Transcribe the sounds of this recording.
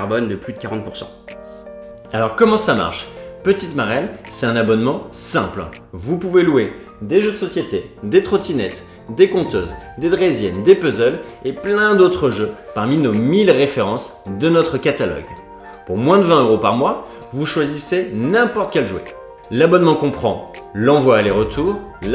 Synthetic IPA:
ʁbɔnd̪əplyd̪əkaʁɑ̃t̪̚puʁsɑ̰̃ | alɔʁkɔmɑ̃sama̰ʁʃpət̪it̪maʁɛnsɛt̪ɛ̃nabɔnmɑ̃sɛ̰̃pl | vupuvelue | d̪eʒød̪əsɔsjet̪ed̪et̪χɔt̪inɛt̪ | d̪ekɔ̃t̪øːzd̪ed̪ʁezjɛnd̪epøzœleplɛ̃d̪ot̪χəʒøpaʁminomilʁefeʁɑ̃s | d̪ənɔt̪χəkat̪alɔ̰ɡ | puʁmwɛ̃d̪əvɛ̃øʁopaʁmwa | vuʃwazisenɛ̃pɔʁt̪kʲɛlʒuwḛ | labɔnmɑ̃kɔ̃pχɑ̃lɑ̃vwaeleʁət̪ʰuːʁ

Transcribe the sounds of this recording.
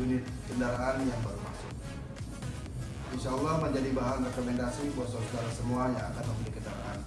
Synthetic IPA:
unɪt̪̚kəndaɾaʔanjaŋbaɾuma̰sʊk̚ | ʔinʃaːlːɔhməɲd͡ʒadibaɦanrɛkomɛndasibɔs̬ɔsədaɾasəmuajaŋakanməmbəlikəndaɾa̰ʔa̰n

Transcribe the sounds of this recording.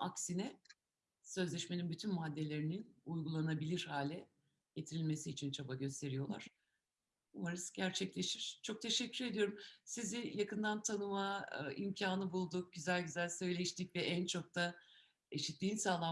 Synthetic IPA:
aksinɛ | sø̞zlʲɛʃme̞ninbyt̪ʰynmad̪ːe̞lʲe̞ɾininujɡulˠanabilʲiɾhaːlʲɛ | ɟe̞t̪ʰiɾilʲme̞siːt͡ʃʰint͡ʃʰabaɟø̞st̪ʰe̞ɾijo̞lˠa̰ɾ̥ | umaɾɯsɟæɾt͡ʃʰɛclʲe̞ʃiɾ̥t͡ʃʰo̞k̚t̪ʰe̞ʃɛcːyɾe̞d̪ijo̞ɾumsizijakɯnd̪ant̪ʰanɯma̰ḭmcʰaːnɯbulˠd̪uk̚ɟyzælʲɟyzælʲsø̞jlʲeʃt̪ʰic̚vɛʔænt͡ʃʰo̞k̚t̪ʰa | e̞ʃit̪ːʲiːnsaːlˠa

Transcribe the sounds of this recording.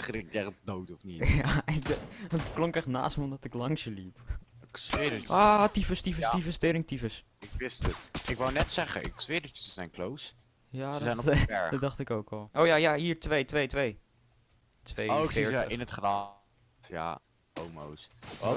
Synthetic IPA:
tχɪɾɛχdowtɔfnijaɪk̚dntətklɔŋkɛχtna̰ːstməɔmdɔtɪklɑŋsəlipksʋɪdəʔatifəstifəifəstɪɾɪŋtifəs | ɪkʋɪstətɪkʋawnɛtsɛχə̰ɪ̰ksʋɪdət͡ʃəsəsɛjnklows | jaːdəzɛjnɛɹdɔdɑχtɪkowkɔlˠʔowjajaːɦiːɹtʋejtʋejtʋej | tʋejoɪːɹəɪnətχra | tja̰ | owmo̰ws

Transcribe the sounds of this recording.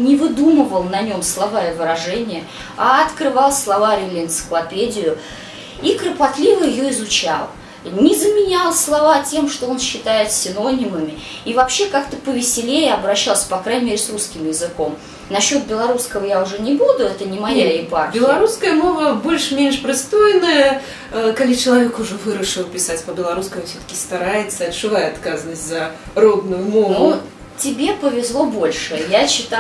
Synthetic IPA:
nʲɪvɨd̪uməvəlˠnɐnʲo̞mslˠɐvaɪvɨɾɐʐɛnʲɪjə | aɐt̪kɾɨvɑlˠslˠɐvalʲɪlʲɪɪnt̪sɨ̥klˠɐpʲedʲɪjʊ | ikɾəpat̪lʲivəjɪjoɪzʊt͡ɕa̰lˠ | nʲɪzəmʲɪnʲalˠslˠɐvatʲe̞mʂt̪oo̞nɕːɪt̪ajɪt̪sʲɪno̞nʲɪməmʲɪ | ivɐpɕːe̞kakt̪əpəvʲɪsʲɪlʲejɪɐbɾɐɕːalˠsʲə̥pɐkɾajnʲɪmʲeɾʲɪsruskʲɪmjɪzɨko̞m | nɐɕːo̞t̪̚bʲɪlˠɐɾuskəvəjaʊʐɛnʲɪbud̪ʊɛt̪ənʲɪmɐjaɪparbʲɪlˠɐɾuskəjəmo̞vəbo̞lʲʂmʲenʂpɾʲɪst̪ojɪnəjə | kalʲit͡ɕɪlˠɐvʲekʊʐɛvɨɾəʂɨlˠpʲɪsatʲpəbʲɪlˠɐɾuskəmʊfsʲot̪ə̥kʲɪst̪aɾajɪt̪səɐtʂɨvajɛɐt̪kazənəsʲtʲzɐrod̪nʊjʊmovo | tʲɪbʲe̞pəvʲɪzlˠo̞bo̞lʲʂɨjaɕːɪt̪a

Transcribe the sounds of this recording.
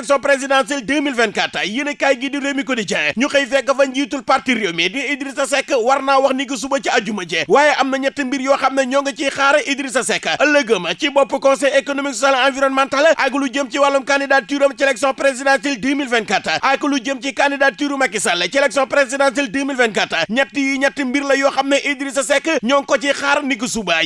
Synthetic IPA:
ksiɔ̃npɾezidãns̬ɛldəːmilvɛnkatːɐjinɐkajɡidiɾjomikɔdid͡ʒɐŋɐɲuxɐjfɛkːɐfɐɲd͡ʒiːtulpartiɾjomɛdiidɾisɐsɛkːɐwɐrnaːwɐxniɡis̬ubɐt͡ʃiɐd͡ʒumɐt͡ʃɛwaːjɛʔɐmnɐɲɛtːɐmbiɾjuwɐxɐmnɐɲɔŋɡɐt͡ʃixaːɾɐʔidɾisɐsɛkːɐʔɐlɐɡəmɐt͡ʃibɔpːukɔnsɛjekonomiksɔsalãnviɾɔnmantalɐʔɐjkulud͡ʒəmt͡ʃiwalːumkandidat̚tːiɾumɐt͡ʃɛlɛk̚siɔ̃npɾezidãns̬ildəːmilvɛnkɐtːɐʔajkulud͡ʒəmt͡ʃikandidat̚tːiɾumɐkːisɐlːɐt͡ʃɛlɛk̚siɔ̃npɾezidãns̬ɛldəːmilvɛnkɐtːɐɲɐtːijiɲɐtːimbirlɐjɔːxɐmnɐʔidiɾisɐsɛkːɐɲɔŋkɔt͡ʃixaɾɐnik̬usubaj

